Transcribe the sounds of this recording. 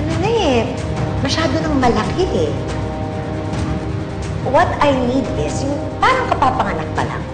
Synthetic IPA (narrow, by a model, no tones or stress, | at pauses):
ʔɐnonɐɛ | mɐʃaːd̪o̞nɐŋmɐlɐkʰɪʔɛ | wɐt̪ajnid̪ɪsjʊŋ | paːɾɐŋkɐpaːpɐŋɐnɐk̚pɐ̰la̰